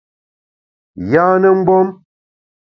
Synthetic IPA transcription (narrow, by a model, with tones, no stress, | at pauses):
jaː˦nə˦ŋ͡m̩˦ɡ͡bɔ˦m